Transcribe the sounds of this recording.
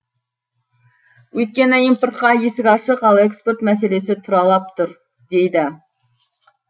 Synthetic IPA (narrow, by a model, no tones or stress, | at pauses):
wɵjt̪̚kʲenɪimpoɾt̪̚qɑjesɪɡʲɑʃəqɑlˠekspeɾt̪mɛseles̬ɪt̪ʰuɾɑlˠɑp̚t̪ʰʊɾ | d̪̥ejd̪ɪ